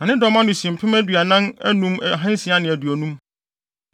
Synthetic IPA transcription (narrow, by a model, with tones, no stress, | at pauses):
nã˨nɪ̃˦dɔ˦mã˦nʊ̃˨si˨m̩˨pʰɪ̃˦mæ˦dɥa˨nã˦næ̰˦nũ˦m˨ɦã˦n˦sĩ˨˦a˦nɪ̃˨æ˨du˨æ˨nũ˦m